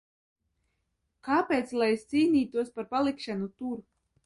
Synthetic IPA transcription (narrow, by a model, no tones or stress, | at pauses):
kaːpʲeːt̪slˠajst̪siːnʲiːt̪uɔspaɾpalˠikʃanut̪uɾ